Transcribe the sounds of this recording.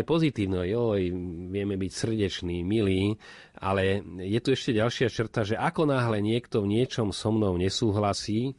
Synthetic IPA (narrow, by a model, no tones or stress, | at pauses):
ɛpɔzit̪iːʊnɔjɔjʋɪɛmɛbicsr̩ɟɛt͡ʃniːmiliː | a̰lɛjɛt̪uɛʃcɛɟalʃɪat͡ʃr̩t̪aʒɛʔakɔnaːɦlɛɲɪɛkt̪ɔvɲɪɛt͡ʃɔmsɔmnɔʊɲɛsuːɦlasiː